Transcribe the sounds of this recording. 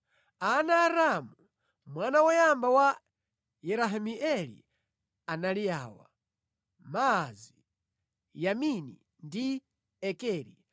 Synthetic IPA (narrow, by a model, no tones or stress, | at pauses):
anaːɾamu | mwanawɔjambawa | jɛɾaɦamiʔɛlḭ | analijaːwa̰ | mazi | jaminḭ | ndi | ɛkɛːɾḭ